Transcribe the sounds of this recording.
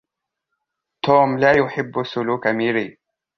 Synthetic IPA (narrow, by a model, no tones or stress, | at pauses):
t̪oːmlaːjʊħɪbːsʊluːkamiɾiː